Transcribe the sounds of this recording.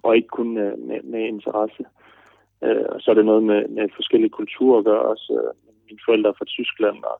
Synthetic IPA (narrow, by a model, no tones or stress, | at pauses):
ʔɒ̽e̝ɡ̥əkʰonmemee̝nt͡sʰɐʁɑsə | ø̰ɒsɒ̽æɐɾ̥e̝nɔ̽ːð̞̩ˠmemefɒ̽sɡ̥el̰ikʰult͡sʰṵɐ̰ɒɡ̥ɶɐɒ̽sømeminfɒ̽el̰d̥ʁɐfʁɑ̈t͡sʰysɡ̥læn̰ɒ̰